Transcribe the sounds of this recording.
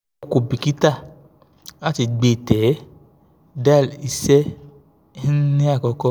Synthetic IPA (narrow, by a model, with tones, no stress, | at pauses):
o˧ko˨bi˨ki˦ta˦˨ | a˦ti˧ɡ͡be˧˨tɛ˨˦ | da˦˨i˧sɛ˦ | nĩ˦a˦˨kɔ˧kɔ˧